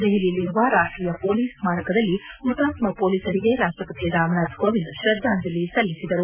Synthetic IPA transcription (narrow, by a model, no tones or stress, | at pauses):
d̪eɦililːiɾuʋaɾaːʂʈɾiːjɐpoːliːsmaːʈɐkɐd̪ɐlːimut̪aːt̪mɐpoːliːsɐɾiɡe̞ɾaːʂʈɾɐpɐt̪iɾaːmɳaːd̪koʋind̪ʃɾɐd̪ʱːaːnd̪ɐlːisɐlːisid̪ɐɾu